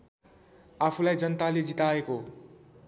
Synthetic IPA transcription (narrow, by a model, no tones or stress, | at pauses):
apʰulajd͡zʌnt̪aled͡zit̪aeko